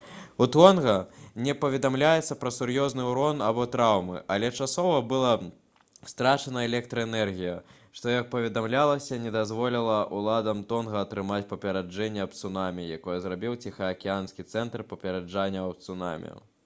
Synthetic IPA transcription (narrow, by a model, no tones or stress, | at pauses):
ut̪ɔnɣɐnʲɛpɐvʲɛd̪amlʲajɛt̪sːɐpɾɐsurjɔznɨuɾɔnabɔt̪ɾawmɨ̰ʔɐlʲɛt͡ʂasɔvɐbɨlˠɐ | st̪ɾat͡ʂɐnɐɛlʲɛk̚t̪ɾɐɛnɛrɣʲijɐ | ʂt̪ɔjɐk̚pɐvʲɛd̪amlʲalˠɐsʲɐnʲɛd̪azvɔlʲilˠɐʔulˠad̪ɐmt̪ɔnɣɐːt̪ɾɨmat͡sʲpɐpʲɛɾad͡ʐɛnʲːɛɐpt̪sunamʲijakɔjɛzɾabʲiwt͡sʲixɐːkʲianskʲit̪sɛnt̪rpɐpʲɛɾɛd͡ʐanʲːɐɐp̚t̪suna̰mʲḭjṵ